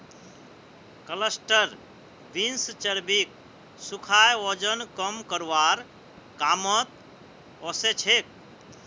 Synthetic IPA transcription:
kələsʈəɾ | binst͡ʃəɾbik̚ | sukʰajɔd͡ʒənkəmkəɾʋaɾ | kamət̪̚ | ɔset͡ʃʰek̚

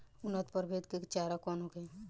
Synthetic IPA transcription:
ʊnːət̪pəɾbʱet̪kekt͡ʃaːɾakɔːnoke

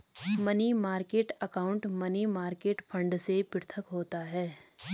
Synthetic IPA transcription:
mɐnimaːɾkeːʈɐkaːʊ̃ɳʈmɐnimaːɾkeːʈfʰɐ̃ɳɖsepɪɾt̪ʰəkɦoːt̪aɦɛː

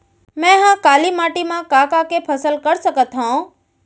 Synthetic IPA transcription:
mɛ̃ɦãkalimaʈimãkakakepʰəsəlkəɾʃəkət̪ɦõ

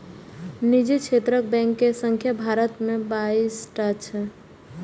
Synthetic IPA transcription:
nid͡ʒet͡ʃʰet̪ɾək̚bɛ̃ŋkːesəŋkʰjəbʱaɾət̪mẽbaisʈat͡ʃʰɛ

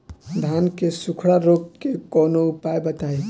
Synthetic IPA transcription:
d̪ʱaːnkesʊkʰɽaɾokkekɔːnoʊpaebət̪ae

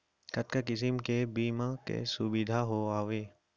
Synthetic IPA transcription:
kɐt̪kakɪs̬ɪmkebiːmakḛsʊbɪd̪ʱaɦoaːʋeː

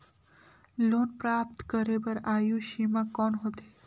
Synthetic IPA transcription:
lonpɾap̚t̪kəɾebəɾajũʃimãkɔnɦot̪e

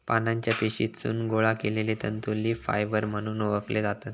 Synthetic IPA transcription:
panaɲt͡ɕjapiɕḭtt͡sṵːnɡoɭakelelit̪ənt̪ulːiːfa̰jʋəɾm̤əɽ̃uːnoʋəkled͡zat̪ət̪

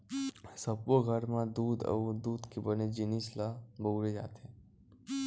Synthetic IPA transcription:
səboɡʱəɾmãd̪uːd̪ə̰wd̪uːd̪kibəned͡ʒinislabəwɾed͡ʒa̰ːt̪ʰẽ

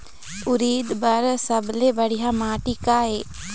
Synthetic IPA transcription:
ʊɾiːd̪bɐɾsɐblebɐɽiɦamaːʈikaːɦeː

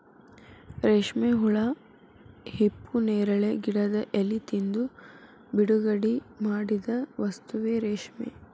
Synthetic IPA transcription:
ɾeːʂmeɦuɭɐ | hipːuneːɾɐɭeɡiɽɐd̪ɐʔelit̪ind̪u | biɽuɡɐɽimaːɽid̪ɐʋɐst̪uʋeɾeːʂmḛ

